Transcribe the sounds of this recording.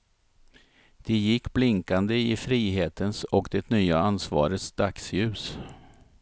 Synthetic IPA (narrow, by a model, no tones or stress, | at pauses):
d̪̥ɛjɪkːblɪŋkand̪əɪfɾiːɦeːt̪ənsɔkd̪̥ɛt̪nyːaansvɑ̰ːɾət̪sd̪̥aksjʉ̟ːs